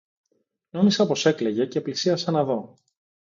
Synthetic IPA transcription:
no̞misɐpo̞se̞kle̞ʝe̞ceːplisiɐsɐnɐðo̞

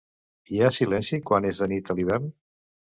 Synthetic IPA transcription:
iasilɛnsikwanezðənit̪əliβɛrn

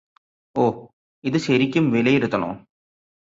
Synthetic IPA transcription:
oː | iðɨɕɐɾikʲːumʋelɐjiɾut̪ːɐno̰ː

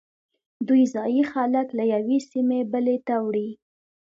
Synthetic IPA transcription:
d̪ujzɑjixɑlaklajawesimebəlet̪awɽi

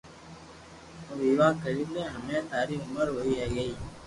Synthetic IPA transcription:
oʋiːʋaːkʰəɾiːlẽːɦəmẽːt̪aːɾiːʊməɾɦoːiːɦɛːɡəiː

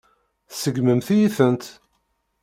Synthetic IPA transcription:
θsəɡməmθijiθənt̪

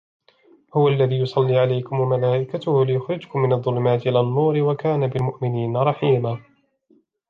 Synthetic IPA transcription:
hʊwaʔlːaðiːjʊsˤɑlːiːʕalajkʊmwamalaːʔɪkat̪ʊhʊlɪjʊxɾɪd͡ʒkʊmːɪnɑðˤːʊlʊmaːt̪ɪʔɪlanːuːɾɪwakaːnabɪlmʊʔmɪniːnɾˤɑħiːmaː

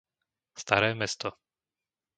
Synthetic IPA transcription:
st̪aɾɛːmɛst̪ɔ

